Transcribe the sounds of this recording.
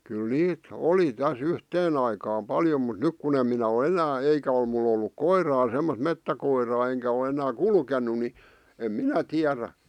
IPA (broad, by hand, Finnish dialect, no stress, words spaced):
kyl niːt oli tæs yhteːn ɑikɑːm pɑljo mut nyk kun em minæ o enæː eikæ ol mul olːuk koirɑː semːost̆ metːækoirɑː eŋkæ o enæː kulkenˑu ni em minæ tiæræ